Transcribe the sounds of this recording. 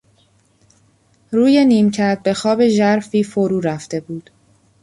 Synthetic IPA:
ruːje̞niːmcʰæɾd̪̚be̞xɒːbe̞ʒæɾfiːfoɾuːɾæft̪e̞buːd̪̥

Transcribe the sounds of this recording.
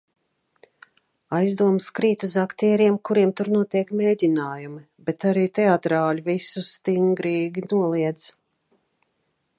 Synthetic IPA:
ajzd̪uɔmskɾiːt̪uzakt̪iɛɾiɛmkuɾiɛmt̪uɾnuɔt̪iɛkmʲeːdʲinaːjumi | bɛt̪aɾiːt̪eat̪ɾaːlʲivisust̪iŋɡɾiːɡʲinuɔlˠiɛd̪z

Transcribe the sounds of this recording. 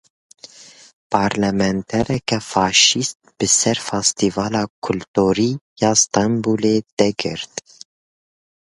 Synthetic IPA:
pʰɑːɾlɛmɛnt̪ʰɛɾɛkɛfɑːʃist̪̚b̥ɨsɛɾfɑst̪ivɑːlɑːkʰʊlt̪uːɾiːjɑːst̪ɑmbuːleːd̪̥ɛɡɨ̰ɾt̪

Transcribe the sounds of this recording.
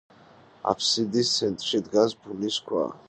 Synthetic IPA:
a̰pʰsid̪ist̪sʰɛnt̪ʼɾʃid̪ɡasbuniskʰwa̰

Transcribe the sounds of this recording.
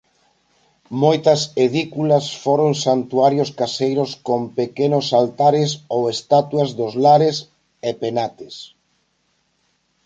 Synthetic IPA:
mojt̪ɐseðikulɐsfoɾoŋsant̪uaɾjoskasejɾoskompekenosalt̪aɾɪsowest̪at̪uazðozlaɾes | epenat̪ɪs

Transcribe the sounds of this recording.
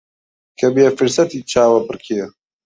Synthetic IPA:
kʰɐbijɛfɨɾsɐt̪iːt͡ʃʰaːwɐpɨrkʰejɛ

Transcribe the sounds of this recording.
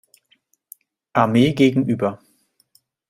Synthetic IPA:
ʔaɐmeːɡeːɡŋ̩ʔyːbɐ

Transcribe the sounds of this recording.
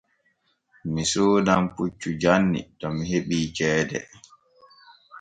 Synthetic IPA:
misoːdamput͡ʃːud͡ʒanːḭtɔmiɦeɓiːt͡ʃɛːdɛ̰

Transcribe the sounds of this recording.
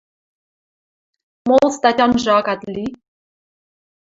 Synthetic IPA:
molˠst̪ɑtʲɑnʒɑkɑt̪ʲlʲi

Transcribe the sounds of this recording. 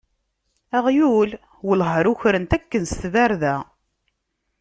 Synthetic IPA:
æʁjul | wəlɦəɾʊçɾənt̪ækːənst̪væɾðæ

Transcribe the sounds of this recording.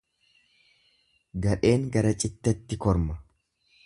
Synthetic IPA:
ɡɐᶑe̞ːŋɡɐɾɐt͡ʃʼɪt̪ːɛt̪ːɪkɔɾmɐ

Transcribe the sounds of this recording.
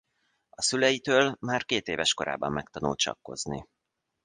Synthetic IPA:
ɒsylɛjit̪øːlmaːrkeːt̪eːvɛʃko̞ɾa̰ːbɒmːɛk̚t̪ɒnult̪t͡ʃɒ̰kːo̞̰znḭ

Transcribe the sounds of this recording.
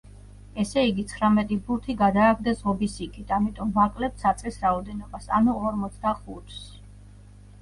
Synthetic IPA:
ɛsɛiɡit̪sʰχɾamɛt̪ʼibut̪ʰiɡad̪aːɡd̪azʁɔbisikʰit̪ʰamit̪ʼɔmvakʼlɛp̚t̪sat̪sʼqʼisɾaɔd̪ɛnɔbasa̰nuɔɾmɔt̪sʰd̪aχut̪ʰs

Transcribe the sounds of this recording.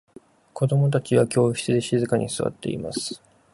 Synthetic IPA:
ko̞d̪o̞mo̞t̪̬at͡ɕiβakʲo̞ːçi̥t͡sɨd̪e̞ɕizɨkaɲ̟ʔisɨβa̰t̪ːe̞̰ḭma̰sɨ̥

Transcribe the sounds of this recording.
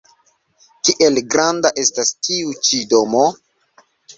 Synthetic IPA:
kiʔe̞lɡɾandaʔe̞stastʰiut͡ʃido̞mo

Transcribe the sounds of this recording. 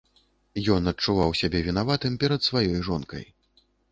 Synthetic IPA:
jɔnɐt͡ʂuvawsʲabʲɛvʲinavat̪ɨmpʲɛɾɐt̪svajɔjʐɔnkɐ̰j

